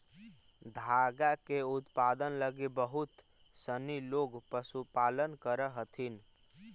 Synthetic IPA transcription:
d̪ʱaɡakeut̪pad̪ənləɡibəɦut̪səniloɡpəsupalənkəɾəɦət̪ʰin

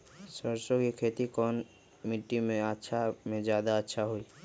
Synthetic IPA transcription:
səɾsokikʰet̪ikɔn | miʈːimeatːʃʰamed͡ʒjad̪aətːʃʰaɦui

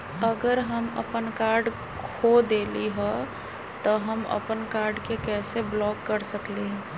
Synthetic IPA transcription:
əɡəɾɦəmə̰pənkaːɾɖ | kʰod̪eliɦɛ̃ | t̪ɔɦəmə̰pənkaːɾɖkekɛːseblɔːkːəɾsəkliɦɛ̃

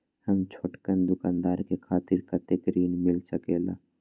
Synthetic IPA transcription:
həmt͡ʃʰoʈkənd̪ʊkaːnd̪aːɾkekʰaːt̪ɪɾkat̪ekɾiːnmɪlsəkeːla̰ː

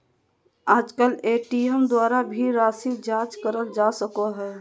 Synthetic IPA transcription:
aːd͡ʒkəleːʈiəmd̪waːɾabʱiɾaːsid͡ʒaːt͡ʃkəɾəld͡ʒaːsəkoɦɛː

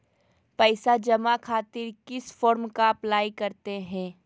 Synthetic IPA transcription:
pɛɪsad͡ʒɐmakʰaːt̪ɪɾkɪsfɔːɾmkaɐplaːikɐɾt̪eɦɛ̃ː

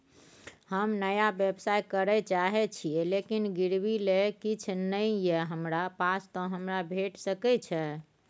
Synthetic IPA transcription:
həmnəjabjebsajkəɾɛt͡ʃaɦɛt͡ʃʰijelekinɡiɾbilekit͡ʃʰnəjjeɦəmɾapast̪ɔɦəmɾabʱeʈsəkɛt͡ʃʰɛ

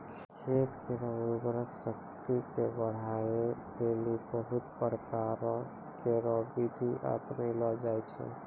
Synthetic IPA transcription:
kʰet̪keɾɔubəɾəksəkt̪ikebəɽ̤ae | d̪elibəɦut̪pəɾəkaɾɔ̃ | keɾɔbid̪ʱiʔa̰pnəlɔd͡ʒajt͡ʃʰɛ̰

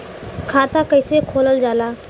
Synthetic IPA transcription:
kʰaːt̪akəɪsekʰoːləld͡ʒaːlaː

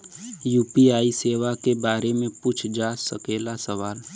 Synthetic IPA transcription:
juːpiaːiseːʋakebaːɾemẽpuːt͡ʃʰd͡ʒaːsə̰keːlasəʋaːl

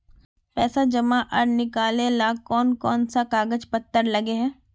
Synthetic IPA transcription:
pɛːsad͡ʒɐmaʔɐɾnɪkaːlelaːkɔːnkɔːnsakaːɡəd͡ʒpɐt̪ːəɾlɐɡeɦɛ̃ː

